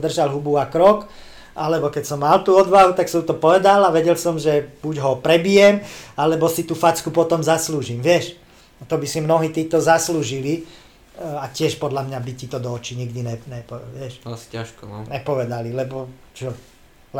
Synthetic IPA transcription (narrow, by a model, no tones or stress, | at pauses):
d̪r̩ʒalɦubuakɾɔk | ʔalɛbɔkɛcsɔmːalt̪uːɔd̪ʋaɦut̪aksɔmut̪ɔpɔʋɛd̪alaʋɛɟɛlsɔmʒɛb̥uɟɦɔpɾɛbijɛmalɛbɔsit̪uːfat͡skupɔt̪ɔmzasluːʒimʋɪɛʃ | t̪ɔbisimnɔɦiːt̪iːt̪ɔzasluːʒili | acɪɛʃpɔd̪lamɲabicit̪ɔd̪ɔːt͡ʃiɲiɡd̪inɛnɛpɔʋɪɛʃaʃknɛpɔʋɛd̪alilɛbɔt͡ʃɔ